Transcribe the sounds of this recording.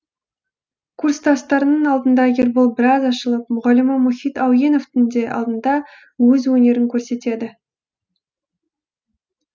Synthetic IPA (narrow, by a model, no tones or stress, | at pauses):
kʰurst̪ʰɑst̪ɑɾənəɴɑlˠd̪ənd̪ɑɡʲeɾbolˠbɪɾɑzɑʃəlˠəpmʊʁɑlɪmɑmoχijt̪ɑwje̞no̞ft̪ʰʏnd̪e̞ʔɑ̰lˠd̪ənd̪ɑ | wɵzwɵne̞ɾɪŋkʲʰɵɾse̞t̪e̞d̪ɪ